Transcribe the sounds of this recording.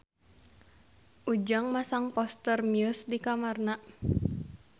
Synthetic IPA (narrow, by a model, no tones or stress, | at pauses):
ʔud͡ʒaŋmasaŋpɔst̪ərmjusdikamarna